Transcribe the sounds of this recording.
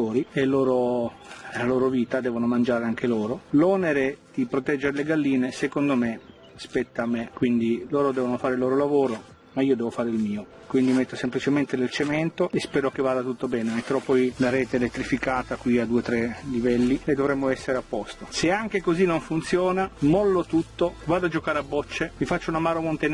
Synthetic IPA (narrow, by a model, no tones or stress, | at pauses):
t̪oːɾielːoːɾo | laloːɾoviːt̪ad̪ɛːvonomand͡ʒaːɾeaŋk̟eloːɾolɔːneɾed̪̥ipɾot̪ɛd͡ʒːeɾeleɡalːiːnesekond̪ome | aspɛt̪ːaːmekːwind̪iloːɾod̪ɛːvonofaːɾeilːoːɾolavoːɾo | maiːod̪ɛːvofaːɾeilmiːo | kwind̪imet̪ːosemplit͡ʃement̪ed̪elt͡ʃemɛnt̪oʔespɛːɾokevːaːd̪at̪ut̪ːobɛːnemet̪ːeɾɔpːɔjlaɾɛːt̪eːlet̪ːɾifikaːt̪akwiad̪ːuːet̪ɾɛlivɛlːiled̪ovɾɛmːoɛsːeɾeapːɔst̪oseaŋk̟ekozinːoɱfunt̪sjɔːnamɔlːot̪ut̪ːovaːd̪ad͡ʒokaːɾeabːɔt͡ʃːemifat͡ʃːounamaːɾomont̪en